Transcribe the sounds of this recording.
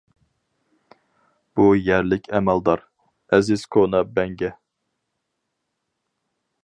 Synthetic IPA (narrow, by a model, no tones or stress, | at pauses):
b̥ujæɾlɪkʲʰɛmæld̪ɑɾ | ɛzɪz̥kʰonɑbɛŋɡʲɛ